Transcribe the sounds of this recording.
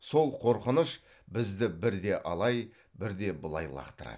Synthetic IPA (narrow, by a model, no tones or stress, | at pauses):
so̞lˠqʰo̞ɾqənəʃ | bɪzd̪ɪbɪɾd̪e̞ʔɑlˠɑj | bɪɾd̪e̞bʊlˠɑ̰jlˠɑ̰qt̪əɾɑ̰d̪ə